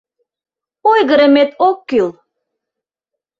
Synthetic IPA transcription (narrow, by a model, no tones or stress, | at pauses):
ojɣəɾə̆met̪okːylˠ